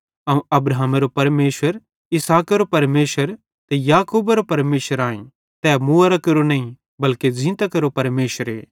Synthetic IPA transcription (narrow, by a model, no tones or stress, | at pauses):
ɐũʔɐbɾaɦmeɾopɐɾmeːʃʋəɾ | ɪsaːkeɾopɐɾmeːʃəɾ | t̪ejaːkoːbeɾopɐɾmeːʃəɾãːḛ̃ | t̪ɛːmuɐɾakɐɾonɐĩ | bɐlked͡ʒɪ̃ːt̪ɐkɐɾopɐɾmeːʃəɾḛː